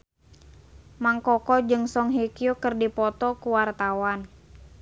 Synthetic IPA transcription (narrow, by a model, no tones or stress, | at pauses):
maŋkɔkɔd͡ʒɨŋsɔŋɦikiukɨrdipɔt̪ɔkuwart̪awan